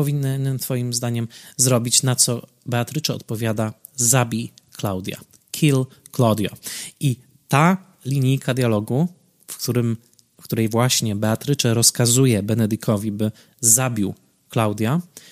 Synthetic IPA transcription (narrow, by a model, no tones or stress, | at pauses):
pɔvʲinːnːɘt̪fɔjimzd̪aɲɛmzɾɔbʲit͡ɕnat̪sɔ | bɛat̪ɾɘt͡ʂɛɔ̰t̪̚pɔvʲjad̪a | zabʲiklawd̪ʲja̰ | kʲʰilklɔd̪ʲjɔ̰ʔi | t̪a | lʲiɲikʰad̪ʲjalɔɡu | fkt̪uɾɘm | kt̪uɾɛjvwaɕɲɛbɛat̪ɾɘt͡ʂɛɾɔskazujɛbɛnɛd̪ɨkʰɔvʲibɘ | zabʲiw | klawd̪ʲja